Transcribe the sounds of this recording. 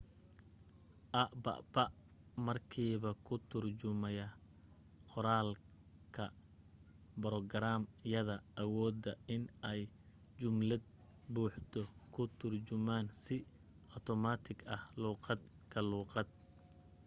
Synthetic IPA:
ʔɐʔbɐ̰ʔbɐʔ | mɐrkʰiːβɐkʰʊt̪ʰʊrt͡ʃʊmɛjɐ | qɔɾaːl | kʰɐ | bɾɔɡɐɾaːmjɐðɐʔɐwɔːd̪ɐɪnɛj | t͡ʃʊmlɐd̪̚ | buːħt̪ʰɔkʰʊt̪ʰʊrt͡ʃʊmaːnsɪ | ʔɔt̪ʰɔmaːt̪ʰɪɡɐhluːqɑd̪ | kʰɐluːqɑd̪̚

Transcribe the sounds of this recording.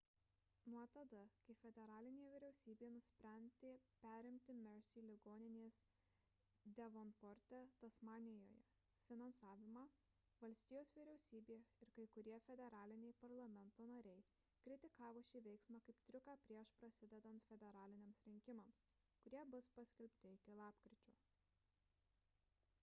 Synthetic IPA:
nuɔt̪ɐd̪ɐkɐɪfʲɛd̪ʲɛɾɑːlʲɪnʲeːjɛʋʲɪɾʲɛʊsʲiːbʲeːjnʊsʲpʲɾʲɛnʲd̪ʲeːpʲæːɾʲɪmʲt̪ʲɪmʲɛɾsʲilʲɪɡoːnʲɪnʲeːs | d̪ʲɛʋonpɔːɾʲt̪ʲɛt̪ɐsmɑːnʲɪjo̰ːjɛ̰ | fʲɪnɐnsɑːʋʲɪmɑː | ʋɐlʲsʲt̪ʲɪjoːsʋʲɪɾʲɛʊsʲiːbʲeːjɪɾkɐɪkʊɾʲiɛfʲɛd̪ʲɛɾɑːlʲɪnʲɛɪpɐɾlˠɐmʲɛnt̪oːnɐɾʲɛɪ | kɾʲɪt̪ʲɪkɑːʋoːʃʲiːʋʲɛɪksmɑːkɐɪpt̪ʲɾʲɪkɑːpʲɾʲiɛʃpɾɐsʲɪd̪ʲɛd̪ɐnt̪fʲɛd̪ʲɛɾɑːlʲɪnʲeːmsɾʲɪŋʲkʲɪmɐms | kʊɾʲiɛbʊspɐsʲkʲɛlʲpʲt̪ʲɪɪkʲɪlˠɑːpkɾʲɪt͡ʃʲuː

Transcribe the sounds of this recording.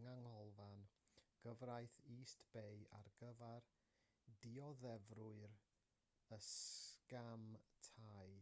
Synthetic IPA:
ŋaŋhɔlˠvanɡ̥əvrajθiːstb̥eja̰rɡəvar | diɔðɛvrʊɨɾ | əskamtʰaj

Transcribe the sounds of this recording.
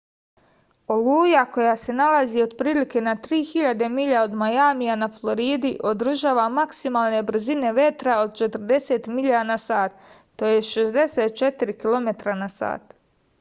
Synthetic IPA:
o̞luːjako̞jase̞nalazio̞d̪pɾiːlike̞nat̪ɾiːxiʎad̪e̞miʎaod̪majamijanaflˠo̞ɾiːd̪iʔo̞d̪r̩ʒaːʋamaksimaːlˠne̞br̩zine̞ʋe̞t̪ɾao̞d̪̚t͡ʃe̞t̪r̩d̪e̞se̞t̪miʎanasaːt̪ː | ojeʃezd̪e̞set̪̚t͡ʃet̪iɾikilˠo̞me̞t̪ɾanasa̰ːt̪

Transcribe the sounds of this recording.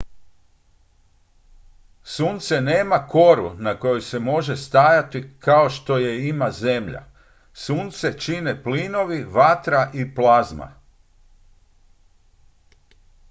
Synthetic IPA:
suːnt̪se̞neːmako̞ɾṵnako̞jojse̞mo̞ʒe̞st̪aːjat̪ikao̞ʃt̪o̞je̞imaze̞mʎa̰ | suːnt̪se̞t͡ʃine̞pliːno̞ʋiʋat̪ɾaʔiplˠazma̰

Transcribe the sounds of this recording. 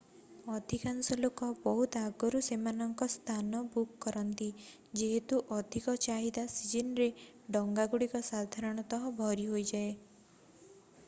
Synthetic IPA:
ɔd̪ʱikansɔlokɔbɔɦut̪aɡɔɾusemanɔŋkɔst̪ʰanɔbukːɔɾɔnt̪i | d͡ʒeɦet̪uʔɔd̪ʱikɔt͡ʃaɦid̪asid͡ʒinɾe | ɖɔŋɡaɡuɽikɔsad̪ʱaɾɔɽ̃ɔt̪ɔɦɔbʱɔɾiɦojd͡ʒae

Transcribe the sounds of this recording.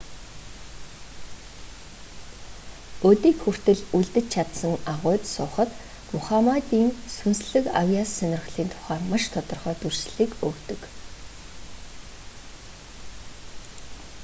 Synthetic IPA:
ɵt̪iːkxur̥t̪ɘ̆ɮuɮt̪ɘ̆t͡ɕt͡ɕʰat̪sə̆ŋaʁʊ̟ːt̪sʊːχə̆t̪ | mʊχamat̪iːŋsunsɮɘ̆ka̰wjasːœnʲɪ̆r̆χɮiːnt̪ʰʊ̥χæːrmaʃt̪ʰɔt̪ɞ̆rχœːt̪urʃɮiːkɵkt̪ɵ̆k

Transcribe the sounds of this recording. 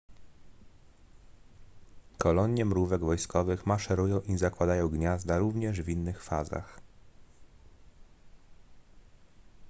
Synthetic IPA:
kɔlɔɲjɛmɾuvɛɡvɔjskɔvɘxmaʂɛɾujɔ̃w̃ʔizakwad̪ajɔ̃w̃ɡɲazd̪aɾuvɲɛʐvʲinːɘxfaza̰x

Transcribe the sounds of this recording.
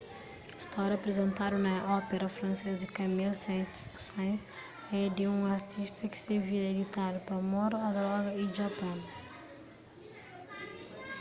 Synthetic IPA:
ist̪ɔɾɐpɾezẽnt̪aɾunɐʔɔpeɾɐfɾɐ̃nsezɪkɐmilssãj̃s | ɛd̪ɪũaɾt̪ʰiʃt̪ʰɐkɪ̥seɾviɾɐed̪it̪aɾupɐmɔɾuɐd̪ɾɔɡɐiʒapɐ̃w

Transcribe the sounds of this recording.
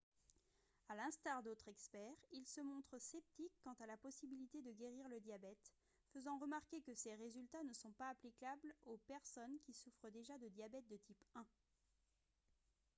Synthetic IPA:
alɛ̃st̪aʁd̪ot̪χɛkspɛʁilsəmɔ̃t̪χəsɛp̚t̪ikːɑ̃t̪alapɔsibilit̪ed̪əɡʲeʁiʁləd̪jabɛt̪ | fəzɑ̃ʁəmaʁkʲekəseʁezylt̪anəsɔ̃paːplikʲablopɛʁsɔnkʲisufχəd̪eʒad̪əd̪jabɛt̪̚d̪ət̪ipɛ̃

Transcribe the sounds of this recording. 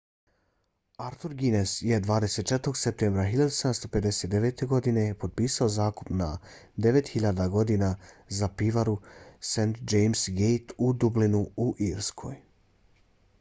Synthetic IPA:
aɾt̪uɾɡinesje̞d̪ʋaːd̪e̞se̞t̪t͡ʃet̪o̞ɡsep̚t̪embɾaxiʎad̪useamst̪o̞pe̞d̪e̞se̞t̪d̪e̞ʋeːt̪e̞ɡo̞d̪ine̞po̞d̪̚piːsaozaːku̥pna̰d̪e̞ʋe̞t̪xiʎad̪aɡo̞d̪inazapiʋaɾusent̪d͡ʒejmsɡejt̪ud̪ublinuuʔiɾskʰo̞̰ːj

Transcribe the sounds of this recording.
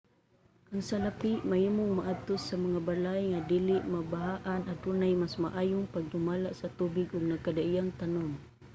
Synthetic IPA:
kaŋsalapiʔmaimʊŋmaʔat̪ʊsamaŋabalajŋadiliʔmabaɦaʔanad̪unajmasmaʔajʊŋpaɡ̚dumalaʔsat̪ubɪɡʊɡ̚nakadaijaŋt̪anɔŋ

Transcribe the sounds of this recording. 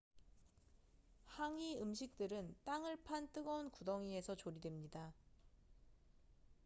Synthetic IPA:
haŋiɯmɕʰik̚t͈ɯɾɯnt͈aŋɯɭpʰant͈ɯɡʌunkudʌŋie̞sʰʌt͡ɕoɾidwe̞mɲida

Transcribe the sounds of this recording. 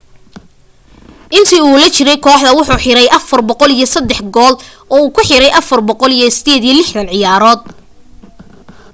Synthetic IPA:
ʔɪnt̪ʰiuːlɛt͡ʃɪɾɛjkʰɔːħðɐwʊħuːħɪɾɛjʔɐfɐrbɔqɔlijɞsɐd̪ːɛħɡɔːlʔɔːuːkʰʊħɪɾɛjʔɐfɐrbɔqɔlijɞsɪ̥d̪ɛːd̪iːɐlɪħðɐnʕɪjaːɾɔːd̪̚

